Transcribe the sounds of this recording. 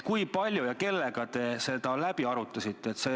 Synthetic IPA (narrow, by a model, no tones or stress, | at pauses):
kujpɑlʲjujɑke̞lːeɡ̥ɑt̪e̞se̞d̪̥ɑlæb̥iɑɾut̪ˑːɑsit̪ˑːe̞ːt̪se̞